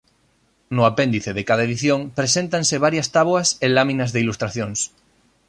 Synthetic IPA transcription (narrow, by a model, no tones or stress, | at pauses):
noapẽnd̪iθeðekaðaeðiθjõŋpɾesent̪anseβaɾjast̪aβoaselamĩnazðeilust̪ɾaθjõŋs